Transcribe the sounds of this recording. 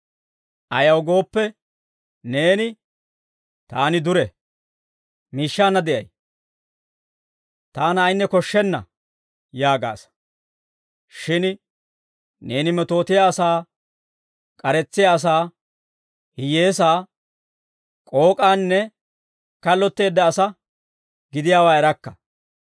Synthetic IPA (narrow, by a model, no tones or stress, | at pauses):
ɐjɐwɡo̞ːpːɛ | ne̞ːnɪ | t̪aːnɪd̪ʊɾɛ | miːʃːaːnːɐd̪ɛʔɐ̰j | t̪aːnɐjnːɛkɔʃːɛnːɐ̰ | jaːɡa̰ːs | ʃɪn | ne̞ːnɪmɛt̪o̞ːt̪ɪjaɐsaː | kʼɐɾɛt͡sːɪjaːs̬aː | hɪje̞ːs̬aː | kʼo̞ːkʼaːnːɛ | kɐlːɔt̪ːe̞ːd̪ːɐːsɐ | ɡɪd̪ɪjaːwaːɛɾɐkːɐ̥